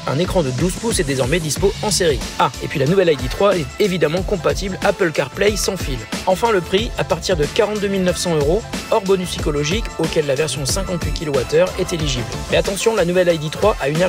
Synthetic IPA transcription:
ɛ̃nekχɑ̃d̪əd̪uzpusɛd̪ezɔʁmɛd̪ispoɑ̃seʁiaepɥilanuvɛlajd̪it̪χwaɛt̪evid̪amɑ̃kɔ̃pat̪iblapəlkaʁplɛjsɑ̃filɑ̃fɛ̃ləpχiapaʁt̪iʁd̪əkaʁɑ̃t̪d̪ømilnœfsɑ̃øʁoɔʁbɔnyssikɔlɔʒikokʲɛlːavɛʁsjɔ̃d̪əsɛ̃kɑ̃t̪wɥikʲilɔwat̪œʁɛt̪eliʒiblmɛat̪ɑ̃sjɔ̃lanuvɛlajd̪it̪χwaʔaynɛ

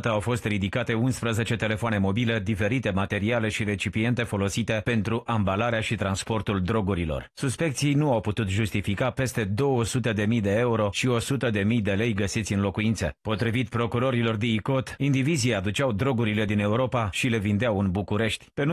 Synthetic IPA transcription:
t̪əawfo̞st̪rid̪ikat̪e̞unspɾəze̞t͡ʃe̞t̪e̞le̞foane̞mo̞bile̞d̪ife̞ɾit̪e̞mat̪e̞ɾiale̞ʃiɾe̞t͡ʃipie̞nt̪e̞fo̞lo̞sit̪e̞pe̞nt̪ɾuʔambalaɾeaʃit̪ɾanspo̞rt̪uld̪ɾo̞ɡuɾilo̞̰rsuspe̞k̚t̪sijnuawput̪ut̪ʒust̪ifikape̞st̪e̞d̪o̞wəsut̪əd̪e̞mijd̪e̞euɾo̞ʃio̞sut̪əd̪e̞mijd̪e̞le̞jɡəsit̪sʲɨnlo̞kuint̪səpo̞t̪ɾivit̪pɾo̞kuɾo̞ɾilo̞rd̪iiko̞t̪ind̪iviziad̪ut͡ʃawd̪ɾo̞ɡuɾile̞d̪ine̞uɾo̞paʃile̞vind̪eawɨnbukuɾe̞ʃt̪ʲpen

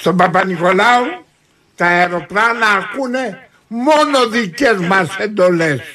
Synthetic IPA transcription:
t̪opapanikolau | t̪aeɾopɾanaːkune | monoðikezmased̪oles

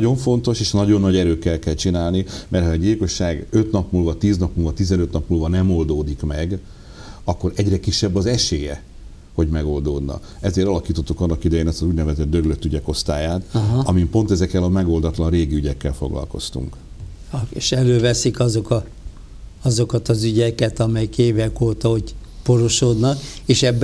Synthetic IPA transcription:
nɒo̞ɱfo̞nt̪o̞ʃeːʃnɒɟo̞nːɒɟɛɾøːkːɛlkɛlt͡ʃinaːlnimʔɛrhɒːɟiːlko̞ʃːaːɡø̞t̪nɒpmuːlvɒt̪iːznɒpmuːlvɒt̪izɛnøt̪nɒpmuːlvɒnɛmo̞ld̪oːd̪ikmɛɡ | ɒkːo̞ɾɛɟrɛkiʃːɛbːɒzɛʃeːjɛ̰ | ho̞ɟmɛɡo̞ld̪oːd̪nɒ̰ | ɛzeːɾɒlɒkiːt̪ot̪ːukɒnːɒkid̪ɛjeːnɛst̪ɒzuːɟnɛvɛzɛd̪d̪øɾløt̪ːyɟɛko̞st̪aːjaːt̪ɦɒmimpo̞nt̪ɛzɛkːɛlɒmɛɡo̞ld̪ɒt̪lɒnreːɡiyɟɛkːɛlfo̞̰ɡlɒ̰lko̞̰st̪ṵŋk | eʃɛløːvɛsikɒzo̞kɒ | ɒzo̞kɒt̪ɒzyɟɛkɛt̪ɒmɛjikeːvɛkoːt̪ɒho̞ɟ | po̞ɾo̞ʃoːd̪nɒkeːʃɛb

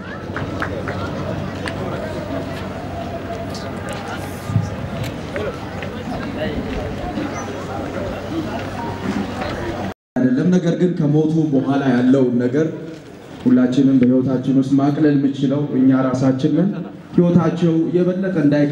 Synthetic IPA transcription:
ad̪əlːəmnəɡəɾɡɨnkʰəmot̪ʰubəɦʷalajalːəwnːəɡəɾ | hulːat͡ʃːɪnɨnbəhiwɔt̪ʰat͡ʃːɪnwʊst̪makʼləlmːɨt͡ʃɪləwʔɨɲːaɾasat͡ʃːɪnlən | hiwɔt̪ʰat͡ʃːɛwjɛβəlːəkʼəɨnd̪aj

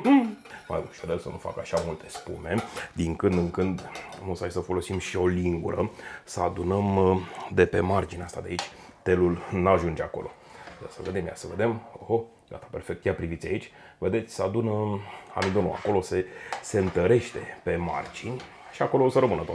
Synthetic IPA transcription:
ma̰jbuʃod̪elsənufa̰kaʃamult̪e̞spṵme̞d̪iŋkɨnd̪ɨŋkɨnd̪nusajsəfo̞lo̞simʃio̞liŋɡṵɾəsəad̪unəmd̪e̞pe̞mard͡ʒineast̪ad̪eait͡ʃʲ | t̪e̞lulnaʒund͡ʒeako̞̰lʔo̞̰ja̰səve̞d̪e̞mja̰səve̞d̪e̞moho | ɡa̰t̪ḁpe̞rfe̞k̚t̪japɾivit̪sʲait͡ʃʲ | ve̞d̪et̪sʲsəad̪unəa̰mid̪o̞nṵa̰ko̞lo̞se̞se̞ɨnt̪əɾe̞ʃt̪e̞pe̞ma̰rd͡ʒinʲ | ʃiako̞losəɾəmɨnət̪oa

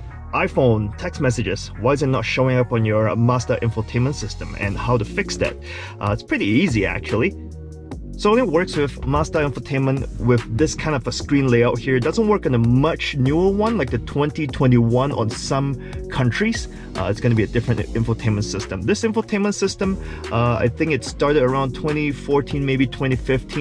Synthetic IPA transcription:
ʔaɪfõʊ̃ntʰɛksmɛsɨd͡ʒɨ̰z̥waɪɨzɨtⁿnətʃoʊɪ̃ŋʌpn̩jə˞mastə˞ʔɛ̃ɱfətʰẽɪ̃mə̃ntsɪstə̃mɨ̰̃nhaʊɾɨfɪksðɨ̰t̚ | ʔɪtspʰɹ̥ɪɾiiziæ̰k̚t͡ʃul̩ˠi | soʊw̃nɨt̚wɜ˞kswɪðmæstəɛ̃ɱfətʰẽɪ̃nmə̃nʔwɪððɪskʰãɪ̃ndʌvəskɹĩnleɪaʊt̚hiɹdʌzə̃nt̚wɜ˞kn̩əmʌt͡ʃnjuə˞wʌ̃nlaɪk̚ðɨtʰw̥ɛ̃ntitʰw̥ɛ̃ntiwʌ̃nʔə̰̃nsʌ̃m | kʰʌ̃nt͡ʃɹ̥iz̥ | ʔɨ̰tsɡ̥ʌnɨbiɨdɪfɹɨ̃nɨ̃ɱfl̩ˠtʰẽɪ̃mə̃ntsɪstə̃mðɪsɛ̃ɱfətʰẽɪ̃mə̃ntsɪstə̃m | ʔa̰ɪθɪ̃ŋkɨtstɑɹɾɨɾə˞ãʊ̃ntʰw̥ɛ̃ɾ̃ifɔɹtʰĩnmeɪbitʰw̥ɛ̃ɾ̃ifɪftʰĩ

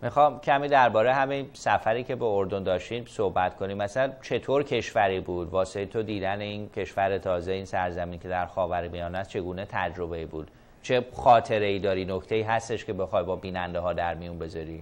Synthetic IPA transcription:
mixɒmcʰæmiːd̪æɾbɒːɾejɦæminsæfæɾiːcʰe̞beoɾd̪o̞nd̪ɒːʃt̪iːsohbæt̪kʰo̞niːmæsælænt͡ʃʰe̞t̪ʰoːɾcʰe̞ʃvæɾibuːd̪vɒːseet̪ʰod̪iːd̪æne̞incʰe̞ʃvæɾe̞t̪ʰɒːze̞iːnsæɾzæmiːncʰe̞d̪æɾxɒːvæɾmijɒːnæst͡ʃʰe̞ɡuːne̞t̪ʰæd͡ʒɾo̞be̞ibuːd̪̥ | t͡ʃʰe̞xɒːt̪ʰe̞ɾe̞iːd̪ɒːɾiːnoct̪e̞iːɦæst̪e̞ʃkʲe̞be̞xɒjbɒːbiːnænd̪eɦɒːd̪æɾmijunbe̞zɒːɾiː

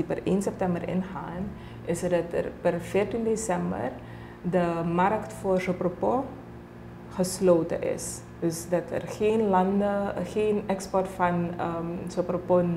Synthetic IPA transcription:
ipərʔeːnsɛp̚tɛmbərɪ̰nχaːn | ɪsərdɑtə̰rpərfɪːrtindesɛmbə̰r | dəmarktfoːrzopropo | χəsloːtə̰ʔɪ̰s | dɵsdɑtə̰rχeːnlɑndəxeːnɛkspɔrtfɑnəsopropo

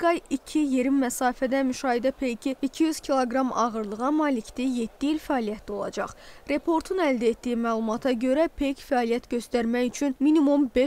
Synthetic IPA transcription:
ɡɑjicʰije̞ɾimːæsɑːfæd̪æmyʃɑːɦid̪æpʰe̞jcʰiicʰijyz̥cʲʰilˠoɡɾɑmɑɣɯɾlˠɯʁɑmɑːlict̪ije̞d̪̥ːiilfæɑːlijæt̪ʰlio̞lˠɑ̰d͡ʒɑ̰χɾe̞pʰo̞ɾt̪ʰunæld̪æet̪d̪ijimæːlˠumɑt̪ʰɑɟø̞ɾæpʰejcfæɑːlijæt̪ɟø̞st̪æɾmæjyt͡ʃʰynminimumbe

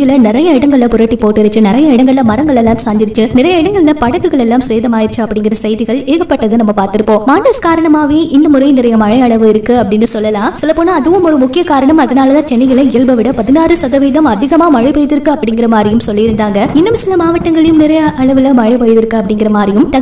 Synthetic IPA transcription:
ɣɪlɐnɪɾɐjɐɪɽɐŋɡɐɭɪlɐpʊɾaːʈːipoːʈːɪɾɐt͡ʃːɯnɪɾɐjɐɪɽɐŋɡɐɭɪlɐmɐɾɐŋɡɐɭɛlːaːmsaːnd̪ɪɾɪt͡ʃːɯnɪɾɐjɐɪɽɐŋɡɐɭɪlɐpɐɽɐkːɯɣɐɭɛlːaːmsɛjðɐmaːjɪɾt͡ʃːɯɐpːɐɽɪŋɡɪɾɐsɐjðɪɣɐɭeːɣɐpːɐʈːɐðɯnɐmːɐpaːɾt̪ɪɾɯpːõːmaːnɖɐskaːɾɐɳɐmaːʋeːʔɪnd̪ɐmʊɾɐɪnɪɾɐjɐmɐɻɐjɐɭɐʋɯɪɾɯkːɯɐpːɐɽɪnːɯsɔlːɐlãːsɔlːɐpːoːnaːðɯʋɯmɔɾɯmʊkːɪjɐkaːɾɐɳɐmɐðɐnaːlɐðãːt͡ʃɛnːɪɣɐlɐɪɭbɐʋɪɽɐpɐðɪnaːrɯsɐðɐʋiːðɐmɐðɪɣɐmaːmɐɻɐɪpɐjðɪɾɯkːɯɐpːɐɽɪŋɡɪɾɐmaːdɾɪjɯmsɔlːɪjɪɾɯnd̪aːŋɡɐɪnːɯmsɪnɐmaːʋɐʈːɐŋɡɐɭɪjɯmnɪɾɐjɐɐɭɐʋɪlɐmɐɻɪpɐjðɪɾɯkːɯɐpːɐɽɪŋɡɪɾɐmaːɾɪjɯmt̪ɐ

